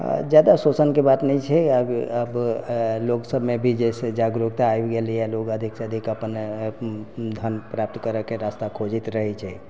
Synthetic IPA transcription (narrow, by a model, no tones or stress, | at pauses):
d͡ʒjad̪asosənkebat̪nɛit͡ʃʰɛəəbloksəbʱmebʱid͡ʒɛsed͡ʒaɡɾuɡt̪aːjbɡeliɛlokəd̪ʱiksəd̪ʱikəpən | d̪ʱənpɾap̚t̪kəɾəkeɾast̪akʰod͡ʒit̪ɾəɦɛt͡ʃʰɛ